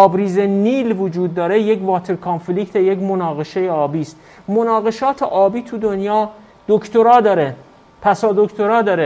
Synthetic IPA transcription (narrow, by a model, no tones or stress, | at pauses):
ɒːbɾiːzeniːlvod͡ʒuːd̪̚ːɒːɾejekvɒːt̪ʰe̞ɾkʰonfliːkt̪ʰejekmo̞nɒːɣe̞ʃe̞jeɒːbiːst̪ | monɒːɣe̞ʃɒːt̪ʰeʔɒːbiːt̪ʰud̪onjɒː | d̪̥okʰt̪oɾɒːd̪ɒːɾe | pʰæsɒːd̪okt̪ʰo̞ɾɒːd̪ɒːɾe